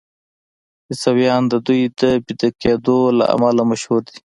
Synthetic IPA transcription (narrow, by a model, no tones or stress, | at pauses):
isawjɑːnd̪əd̪ujd̪əbid̪aked̪ola̰ʔa̰malamɐʃhuɾd̪i